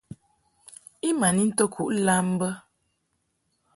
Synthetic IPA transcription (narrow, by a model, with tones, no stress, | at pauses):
i˦ma˨ni˦n̩˦to˦kʰu˦ʔla˦m˦bə˦